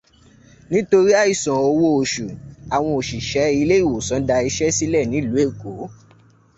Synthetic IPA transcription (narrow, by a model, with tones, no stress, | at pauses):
nĩ˦to˧ɾi˦a˦˨i˦˨sɔ̃˨o˧wo˧o˨ʃu˨a˨w̃ɔ̃˧o˨ʃi˨ʃɛ˨˦i˧le˦i˦˨wo˨sɔ̃˨˦da˧i˧ʃɛ˦si˦lɛ˦˨nĩ˨˦˨lu˨˦e˦˨ko˨˦